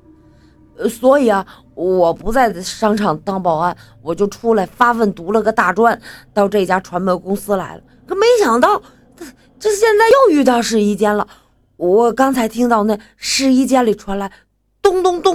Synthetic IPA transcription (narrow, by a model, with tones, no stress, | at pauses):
swɔ˧˥i˨˩ɐ˦˩ | wɔ˨˩pu˧˥t͡sa˥˩ɪʂɑ˥ŋʈ͡ʂʰɑ˨˩ŋt̪ɑ˥ŋpɑ˨˩ʊa˥˩n | wɔ˨˩t͡ɕjo˥˩ʊʈ͡ʂʰu˥la˧˩ɪfa˥fə˥˩nt̪u˧˥lə˧ɡə˧t̪a˥˩ʈ͡ʂwa˥˩nt̪ɑ˥˧ʊʈ͡ʂɤ˥˧˩i˩t͡ɕja˥ʈ͡ʂʰwa˧˥nmɛ˧˩kʊ˥ŋsɹ̩˥la˧˥ɪlə̰˧ | ʈ͡ʂo˥˧me˧˥ɪɕjɑ˨˩ŋt̪ɑ˥˩ʊ˥˩ | ʈ͡ʂɤ˥˧ɕjɛ˥˧nt͡sa˥˧ɪjo˥˧ʊy˥˧t̪ɑ˥˧ʊʂɻ̩˥˧i˥t͡ɕjɛ˥nlə˨˩ | wɔ˨˩˥kɑ˥ŋt͡sʰa˧˥ɪt̪ʰi˥ŋt̪ɑ˥˧ʊna˥˩ɪʂɻ̩˥˧i˥t͡ɕjɛ˥nli˨˩ʈ͡ʂʰwa˧˥nla˧˥ɪ | t̪ʊ˥ŋt̪ʊ˥ŋt̪ʊ˥